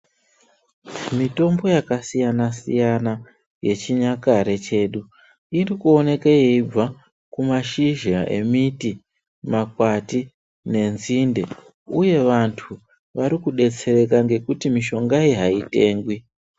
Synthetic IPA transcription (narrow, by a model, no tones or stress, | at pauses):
mito̞mbo̞jakasijanasḭjana | je̞t͡ʃiɲakaɾe̞t͡ʃe̞ːɗu | irikuo̞ne̞kajeib͡va | kumaʃiʒaʔe̞̰miti | makwati | ne̞nzinde̞ | uje̞ʋantʰu | ʋaɾikuɗe̞t͡se̞ɾe̞kaŋɡe̞kutimiʃo̞ŋɡaiɦaite̞ːŋɡwi